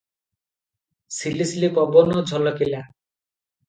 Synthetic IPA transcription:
silislipɔbɔnɔd͡ʒʱɔlɔkila

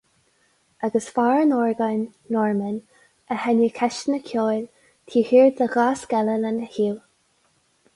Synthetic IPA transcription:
aɡəsfaːɹənɔːɹɡanː | ɔɹmən | əhɛnikʰɛʃnəkʰjoːl | t̪ʰiːhiːɹd̪əɣaːsɡɛləlandəhiːw

